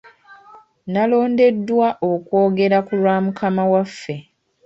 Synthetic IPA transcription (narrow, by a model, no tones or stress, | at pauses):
nalo̞ːnde̞dːwaʔokwo̞ːɡe̞ɾakulwaːmukʰamawafːe̞